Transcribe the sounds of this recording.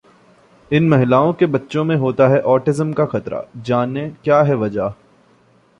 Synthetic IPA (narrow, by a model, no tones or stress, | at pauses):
ɪnmɐɦɪlaːõkebɐtːʃõmẽɦoːt̪aɦɛʔɔːʈɪzəmkaxɐt̪ɾa̰d͡ʒaːnekjaːɦɛʋɐd͡ʒaː